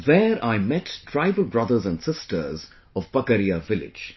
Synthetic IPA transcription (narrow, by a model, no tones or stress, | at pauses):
ðɛːɾaɪmɛtːʰɾaɪvəlbɾʌd̪əɾzæ̃nɖsɪstʰə̰ɾz | ɔvbəkəɾiavɪlɪ̰̥d͡ʒ